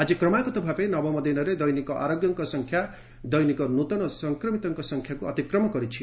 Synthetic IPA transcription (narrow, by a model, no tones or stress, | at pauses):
ad͡ʒikɾɔmakɔt̪ɔbʱapenɔbɔmɔd̪inɔɾed̪ɔjnikɔʔa̰ɾoɡjɔŋkɔsɔŋkʰja | d̪ɔjnikɔnut̪ɔnɔsɔŋkɾɔmit̪ɔŋkɔsɔŋkʰjakuɔt̪ikɾɔmɔkɔɾit͡ʃʰi